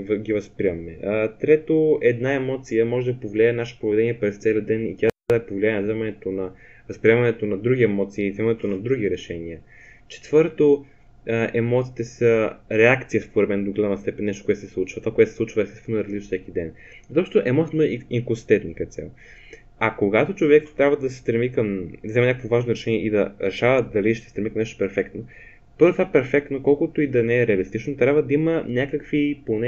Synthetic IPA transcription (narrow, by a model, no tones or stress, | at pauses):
vɡʲivɐspɾiəmːɛt̪ɾɛt̪oɛd̪naɛmɔt̪sijəmɔʒɛd̪ɐpovlʲiajɛnaʃe̥pɾovɛd̪ɛniəpɾɛst̪sɛliəd̪ɛnḭt̪ʲaad̪ɐpovlʲiaɛnɐzɛmɐnɛt̪onɐ | vəspɾiɛmɐnɛt̪onɐd̪ɾuɡʲiɛmɔt̪siːzɛmɐnɛt̪onɐd̪ɾuɡ̟iɾɛʃɛniə | t͡ʃɛ̥t̪v̥ɤɾt̪o | ʔɛmɔt̪sit̪ɛsəɾɛakt̪sijəspoɾɛd̪mɛnd̪oɡlʲamɐst̪ɛpɛnʲːɛʃt̪okoɛt̪osɛslˠut͡ʃvɐt̪vakoɛt̪osɛsˠut͡ʃvəɛst̪ɛst̪vɛnoɾɐzlit͡ʃfsɛkid̪ɛn | zt̪ɔʃt̪t̪oʔɛmɔt̪sʲit̪niŋkosi̥t̪ɛt̪nikəɛt̪sja̰lˠ | ɐkoɡat̪ot͡ʃovɛkt̪ɾʲabvəd̪ɐsɛ̥st̪ɾɛmikəmd̪ɐzɛmɛnɲakəkvovaʒnoɾɛʃɛniɛʔid̪ɐɾɛʃavət̪̚d̪ɐliʃsɛ̥st̪ɾɛmikəmnɛʃt̪o̥pɛɾfɛkt̪no | pɤɾvət̪vapɛɾfɛk̚t̪nokɔlˠkʊt̪oid̪ɐnɛɾɛɐlist̪it͡ʃnot̪ɾʲabvəd̪ɐimənʲakəkvipon